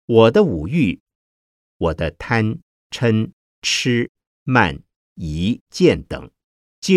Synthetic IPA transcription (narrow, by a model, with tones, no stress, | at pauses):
wɔ˨˩d̪ə˦u˨˩y˥˩ | wɔ˨˩d̪ə˦t̪ʰa˥n | ʈ͡ʂʰə˥n | ʈ͡ʂ̩ʰ˥ | ma̰˥˩n | i˧˥t͡ɕjɛ˥˩nt̪ɤ̰˨˩˦ŋ | t͡ɕi˥